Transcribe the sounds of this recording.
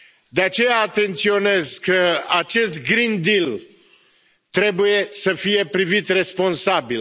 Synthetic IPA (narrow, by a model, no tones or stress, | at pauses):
d̪eat͡ʃe̞jaːt̪e̞nt̪sio̞ne̞zkəat͡ʃe̞st̪ɡɾind̪il | t̪ɾe̞buje̞səfije̞pɾivit̪re̞spo̞nsabil